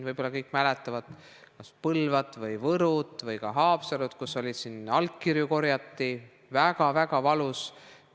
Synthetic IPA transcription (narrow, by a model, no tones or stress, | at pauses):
nvɤjb̥o̞lːɑkɤjkːˑmælet̪ːˑɑvɑd̪̥ | kɑspɤlvɑt̪ːˑvɤjvɤɾut̪ˑvɤjkɑɦɑːpseɾut̪kusːo̞lʲid̪̥sinɑlkːirjuko̞rjɑt̪ːˑi | væɡɑvæɡɑvɑlus